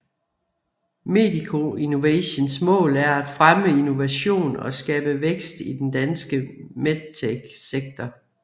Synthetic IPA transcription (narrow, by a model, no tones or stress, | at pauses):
me̝̰ːdikʰo̝ino̝ʋḛɕənsmɔ̰̽ːlæɐæd̥fʁaməino̝ʋæɕo̝̰ːnɒ̽sɡ̥ɛ̰ːb̥əʋeɡ̥sd̥id̥end̥ænsɡ̥əmed̥̚t͡sʰeɡ̥seɡ̥̚d̥ʰɐ